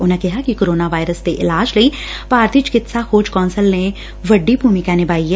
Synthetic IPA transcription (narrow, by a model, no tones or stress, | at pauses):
ʊnẽkɪɦakikoːɾoːnaʋaːɪɾəsd̪eʔɪlaːd͡ʒləi | paːɾt̪it͡ʃkɪt̪saxoːd͡ʒkɔːnsəlnẽ | ʋəɖːibʱuːmɪkãnɪbaːiɦɛː